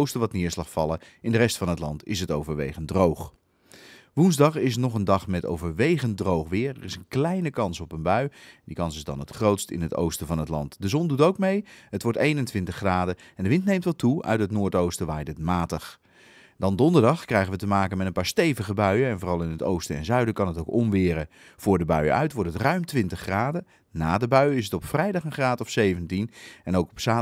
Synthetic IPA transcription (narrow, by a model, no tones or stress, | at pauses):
owstəʋɑtnɪːɹslɑχfɑlˠə | ɪndərɛstfɑnɦətlɑ̰ntɪ̰s̬ətowvəɹʋḛjχəndrowχ | ʋunzdɑχɪs̬nɔχəndɑχmɛto̰wvəɹʋejχəndrowχʋɪːɹɛrɪsənklɛjnəkɑnsɔpənbœɥdikɑnsɪzdɑ̰nətχrowtstɪ̰nɦəto̰wstəvɑnɦətlɑ̰ntdəzɔndutowkmejɦətʋɔɹtejnəntʋɪntəχːraːdəɛndəʋɪntnejmtʋɑltuœ̰ɥtɦətnʊːɹtowstəʋaːjdətmaːtəχ | d̥ɑndɔndəɹdɑχkrɛjχənʋətəmaːkənmɛtənpaːɹstejvəχəbœɥəɛnvoːrɑlˠɪnɦəto̰wstəɛ̰nzœɥdəkɑnətowkɔmʋɪːɾə | v̥ʊːɹdəbœ̰ɥə̰œ̰ɥtʋɔɹtətrœɥmtʋɪntəχːraːdə | naːdəbœɥɪsətɔpfrɛjdɑχənχraːtəɔfsejvəntinɛnowkɔpsaː